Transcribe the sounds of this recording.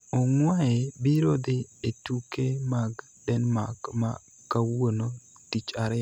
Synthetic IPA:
ɔŋwaebiɾod̪ɪetukemaɡ | dɛnmaɡma̰ | kawono | tit͡ʃaɾɛ

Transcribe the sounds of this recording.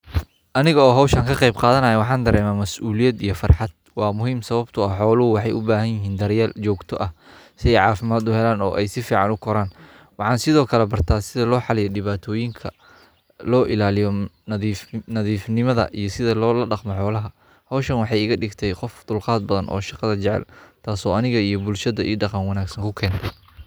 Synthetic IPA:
ʔɐnɪɣɐɔːɦɔwʃɐŋkʰɐqɑjbqɑːðɐnɐjɛwɑħɑːnd̪ɐɾɛːmaːmɐsʔuːlɪjɐd̪ijɞfɑrħɑd̪̚wɑːmʊɦiːmsɐβɐbt̪ʰʊɐhħɔːlʊhʊwɑħɑjʔʊbaːɦɐnjɪɦiːnd̪ɐɾjaːlt͡ʃɔːɡt̪ʰɔʔɐh | sɪɛjʕɑːfɪmaːd̪ʊhɛlaːnɔ̰ːʔɛjsɪfiːʕɑnʊkʰɔɾaːn | wɑħɑːnsɪðɔːkʰɐlɛbɐrt̪ʰaːsɪðɐlɔːħɑlɪjɛɖɪβaːt̪ʰɔːjɪŋkʰɐ | lɔːʔɪlaːlɪjɔniːfnɐðiːfnɪmɐðɐ̰ʔijɞsɪðɐlɔːlɐɖɑqmɔħɔːlɐɦɐ | hɔwʃɐnwɑħɑjɪɣɐɖɪɡt̪ʰɛjqɔfd̪ʊlqɑːd̪̚bɐðɐnʔɔ̰ːʃɑqɑðɐt͡ʃɛʕɛ̰lt̪ʰaːsɔːɐnɪɣɐijɞbʊlʃɐðɐʔiːɖɑqɑnwɑnaːɡsɐŋkʰʊkʰɛːnt̪ʰɛj

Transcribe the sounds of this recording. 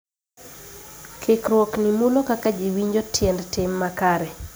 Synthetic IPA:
kʰɪkɾwɔknimulokakad͡ʒiwiɲd͡ʒotʰjɛndtɪmːakaɾɛ

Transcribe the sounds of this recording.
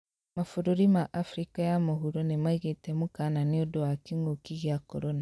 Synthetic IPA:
mafuɾoɾimaʔafɾikajamohuɾonemaiɣetɛmukananeodowakiŋokiɣjakɔ̰ɾɔna

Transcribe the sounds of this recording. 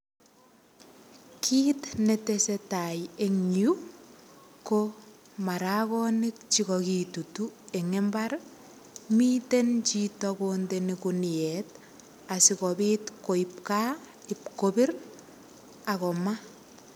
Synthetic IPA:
kʰiːtnetesetajeŋɲu | ko | maɾakɔnikt͡ʃikɔkitutueŋembaɾ | miːtent͡ʃitɔkondenikuniɛt | asikɔbiːtkoip̚ka | ɪp̚kobiɾ | akɔma

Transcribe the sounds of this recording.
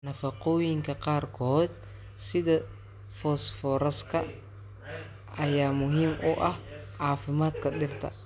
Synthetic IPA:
nɐfɐqɔjɪŋkʰɐqɑːrkʰɔːd̪ | sɪðɐ | fɔːsfɔɾɐskʰɐ | ʔɐjaːmʊɦiːmʔʊʔɐh | ʕaːfɪmaːd̪kʰɐɗɪrt̪ʰɐ̰

